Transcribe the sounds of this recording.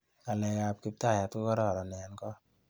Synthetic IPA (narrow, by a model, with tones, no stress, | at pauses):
ka˨lɛ˨ka˨p̚ki˦p̚ta˦˨ja˨tko˦kɔ˦ɾɔ˦˨ɾɔ˨nɛ˨nkɔ˦